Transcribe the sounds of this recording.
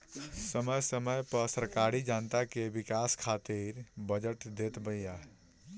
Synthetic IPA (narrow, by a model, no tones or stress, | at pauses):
səməjsəməjpəsəɾkaɾid͡ʒant̪akebikaskʰat̪iɾbəd͡ʒəʈd̪et̪bəja